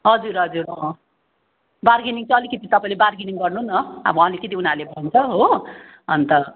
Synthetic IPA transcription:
ɦʌd͡zuɾɦʌd͡zuɾʌ | barɡiniŋt͡sʰʌʌlikit̪it̪ʌpãĩlebarɡiniŋɡʌrnuɦunʌa̰bʌʌlikʌt̪iunalebʱʌnt͡sʰʌɦo | ʌnt̪ʌ

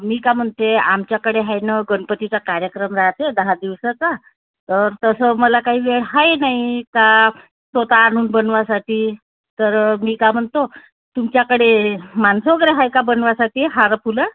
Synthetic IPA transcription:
miːkam̤əɳt̪eamt͡ɕjakəɽeɦajnəɡəɳpət̪it͡sakaɾjəkɾəmɾaɦt̪ed̪əɦad̪iʋsət͡sa | t̪əɾt̪əsəməlakaɦiːʋeɽɦajnaɦika | sot̪aːɽ̃uːnbənʋasaʈiː | t̪əɾmiːkam̤əɳt̪o | t̪umt͡ɕjakəɽemansoɡɾeɦajkabənʋasaʈiːɦaɾpʰula

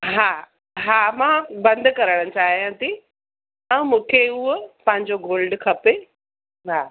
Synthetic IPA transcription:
ɦaː | ɦaːmãbɐ̃nd̪ʱkɐɾəɽ̃̆t͡ɕaːɦijãt̪i | ɛ̃mũːkʰeupɐ̃ɦɪ̃ɲd͡ʑoɡoːlɖkʰɐpe | ɦaː

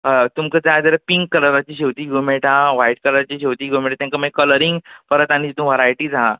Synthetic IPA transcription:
t̪umkəd͡zajd͡z̪əɾəpiŋkːəɾɾat͡ɕiːɕewt̪iːɡomeʈʰaʋaiʈ̚kəɾat͡ɕiɕewt̪iːɡomeʈat̪jãŋkaməkələɾiŋɡpəɾət̪añid͡ʑit̪ũʋəɾajʈiːd͡za

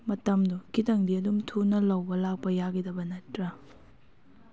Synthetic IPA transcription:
mɐtɐmdukitɐŋdiɐdumtʰunɐlɐwbɐlak̚pɐjaɡidɐbɐnɐtɾɐ

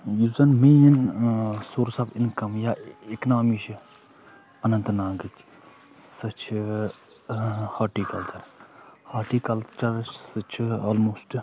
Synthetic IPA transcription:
juzɐnmijɐnsuːɾsabɪnkɐmjaːɪknaːmiʃi | ɐnɐ̃nt̪naːɡɨk | sɐt͡ʃʰ | haːʈiːkɐlt̪ʰɐɾhaːʈiːkɐlt͡ʃɐɾsɐt͡ʃʰaːlmoːsʈ

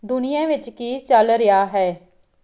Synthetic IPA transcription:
d̪ʊnɪjãːʋɪt͡ʃkiːt͡ʃəlɾɪjaːɦɛː

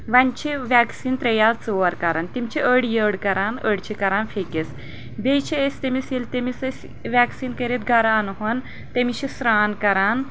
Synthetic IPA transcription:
ʋant͡ɕʰeʋaksiːnt̪ɾɐjat͡səɾkɐɾaːnt̪imt͡ɕiʔəɽjəɽkɐɾanəɽt͡ɕʰikɐɾanfʰekes | bejt͡ɕʰeest̪emisilt̪emisəsʲ | ʋʲaksiːnkəɾet̪ɡʱaɾaanɦon | t̪emiɕisɾaːnkɐɾan

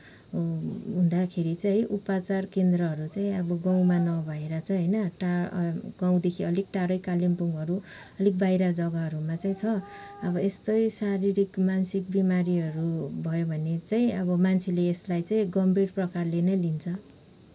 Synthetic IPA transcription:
ɦũnd̪akʰeɾit͡saɦjʔupat͡sarkend̪rʌɦʌɾut͡saĩʌbʌɡaw̃manʌbʱaeɾat͡sʰʌɦʌjnʌʈaɡaw̃d̪ekʰiʌlik̚ʈaɾʌjkalimpuŋɡɦʌɾu | ʌlik̚bajɾad͡zʌɡaɦʌɾumat͡saĩt͡sʰʌʌbʌest̪ʌjsaɾiɾikmansik̚bimaɾiɦʌɾubʱʌjobʱʌnet͡saĩʌbʌmant͡sʰeleːslajt͡saĩɡʌmbreʈprʌkarlenʌjlint͡sʰʌ

